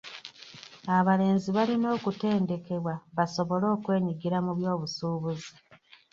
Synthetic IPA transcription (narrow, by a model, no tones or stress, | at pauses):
aβale̞ːnziβalino̞ːkute̞ːnde̞ke̞βwaβaso̞βo̞lo̞ːkwe̞ːɲiɡiɾamuβjo̞ːβusuːβuzi